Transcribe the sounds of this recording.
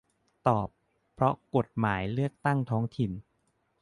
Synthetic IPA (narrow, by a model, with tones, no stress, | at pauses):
t̪ɔː˨˩pʰː | ɾɔ˦˥ko˨˩t̪̚maː˩˦jlɯ˥˩ək̚t̪a˥˩ŋt̪ʰɔː˦˥ŋt̪ʰi˨˩n